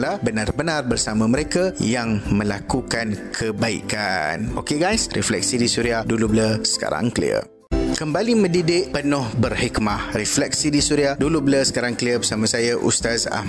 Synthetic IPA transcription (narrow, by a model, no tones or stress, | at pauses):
lahbənarbənarbərsamãmə̃ɾekajaŋmə̃lakukankʰəbaḭkanʔo̰keɡajsrɛflɛ̰k̚sidisuɾiahdulubələsə̥ka̰ɾa̰ŋklḭə̰ | kəmbalimə̃didɪʔpənʊhbərhikmahriflɛk̚sidisuɾiahdulubələsə̥kaɾaŋkliəbəsamãsajaʔṵst̪aza̰h